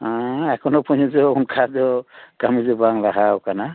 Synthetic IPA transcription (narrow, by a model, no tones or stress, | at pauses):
ãɛkʰɔnɔpʰɔɲɔd͡ʒɔunkʰad͡ʒɔkamizɔbaŋlaɦawkana